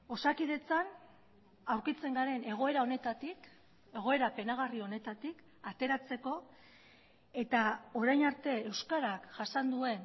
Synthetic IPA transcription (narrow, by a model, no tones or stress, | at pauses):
o̞sakið̞e̞t͡san | awɾkit͡se̞ŋɡaɾe̞ne̞ɣ̞o̞e̞ɾao̞ne̞t̪at̪ik | e̞ɣ̞o̞e̞ɾape̞naɣ̞ario̞ne̞t̪at̪ik | at̪e̞ɾat͡se̞ko̞ | e̞t̪ao̞ɾajnaɾt̪e̞ːwskaɾakʝasand̪ue̞n